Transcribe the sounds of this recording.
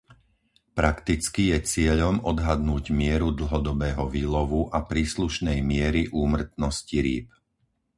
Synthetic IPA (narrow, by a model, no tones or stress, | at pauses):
pɾakt̪it͡skijɛt͡sɪɛʎɔmɔd̪ɦad̪nuːɟmɪɛɾud̪l̩ˠɦɔd̪ɔbɛːɦɔʋiːlɔʋuʔapɾiːsluʃnɛjmɪɛɾiʔuːmr̩t̪nɔsciɾḭːp